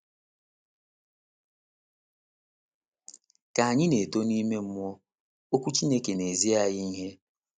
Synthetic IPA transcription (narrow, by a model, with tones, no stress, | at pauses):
ka˨a˨ɲɪ˦ne˨to˦ni˦me˦m̩˦m˦ɔ˦ | o˦kʷu˦t͡ʃi˦ne˦ke˨ne˨zi˦a˦ɣi˦i˦ɦe˦